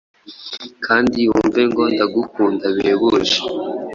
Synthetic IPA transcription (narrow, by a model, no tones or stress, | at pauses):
kʰaːndiuɱveŋɡondaɡukuːndaβeβuʒe̥